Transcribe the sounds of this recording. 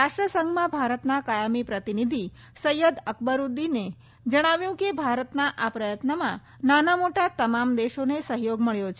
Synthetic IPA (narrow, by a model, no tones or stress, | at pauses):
ɾaʃʈɾəsəŋɡmãbʱaɾət̪nakajamipɾət̪inid̪ʱi | səjəd̪əkbəɾud̪ːine | d͡ʒəɽ̃aʋjũkebʱaɾət̪naʔapɾəjət̪nəmã̰ | nanamoʈat̪əmamd̪eʃonesəɦjoɡməɭjot͡ʃʰ